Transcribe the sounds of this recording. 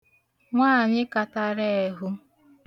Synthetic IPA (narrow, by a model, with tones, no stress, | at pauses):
ŋʷaː˦a˨ɲɪ˦ka˨ta˦ɾe˦e˨ɦu˦